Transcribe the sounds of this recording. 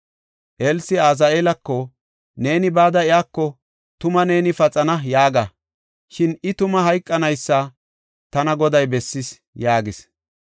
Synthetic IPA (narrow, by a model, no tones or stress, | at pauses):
ʔelsɪaːz̬ɐeːlɐkːɔ | ne̞ːnɪbaːd̪ɐɪjaːkːɔ | t̪ʊmɐne̞ːnɪfɐt͡sʼɐnɐjaːɡɐ | ʃɪnɪt̪ʊmɐɦɐjkʼːɐnɐjsːɐ | t̪ɐnɐɡɔd̪ɐjbɛsːɪs | jaːɡɪs